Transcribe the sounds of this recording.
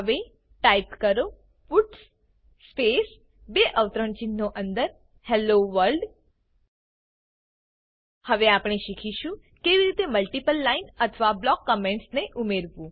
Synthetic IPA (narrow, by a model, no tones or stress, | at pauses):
əʋe | ʈaipkəɾo | fuʈs | spes | beʔəʋt̪ɾəɳt͡ʃinːoʔənd̪əɾ | hɛloʋəɾɖ | həʋeapɽ̃eʃikʰiʃũ | keʋiɾit̪eməlʈipəlːainət̪ʰʋablɔkːɔmẽɳʈsneʔumeɾʋũ